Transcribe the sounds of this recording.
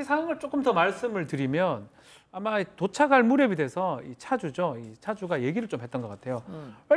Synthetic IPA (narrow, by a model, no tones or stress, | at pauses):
isʰawaŋɯɭt͡ɕ͈ok͈ɯmtʌmaɭs͈ɯmɯɭtɯɾimjʌn | amatot͡ɕʰaɡaɭmuɾjebide̞sʰʌit͡ɕʰad͡ʑud͡ʑoit͡ɕʰad͡ʑuɡaje̞ɡiɾɯɭt͡ɕ͈omɦet̚t͈ʌnɡʌk͈atʰe̞jowʌ